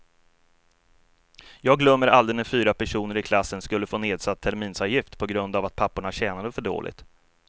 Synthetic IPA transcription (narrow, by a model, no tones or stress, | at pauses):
jɑːɡlœmːəɾald̪ənəfyːɾapʰæʂuːnəɾɪkʰlasːənskɵlːəfoːneːd̪sat̪ʰːæɾmiːnsɑːvjɪft̪pʰɔɡɾɵnd̪avat̪̚pʰapːʊɳaɕɛːnad̪əfœɖo̰ːlʔɪ̰t̪